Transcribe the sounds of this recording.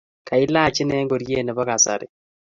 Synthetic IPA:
kʰa˨i˦laː˦˨t͡ʃɪ˦nɛː˦ŋɡo˨ɾje˦˨nɛ˨βɔ˦ka˨sa̰˨ɾɪ̰˨

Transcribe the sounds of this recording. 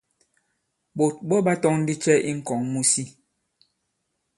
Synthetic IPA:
bo˨t̚ɓɔ˦ba˦tɔ˦ŋn̩˦di˦t͡ʃɛ˦ʔḭ˦ŋ̩˨kɔ˨˦ŋmu˦si˦

